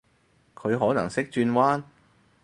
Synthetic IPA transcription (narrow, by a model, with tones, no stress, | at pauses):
kʰɵ˨˧ɥɦɔː˨˥nɐ̰˨˩ŋsɪ˥k̚t͡ʃyː˧nwaː˥n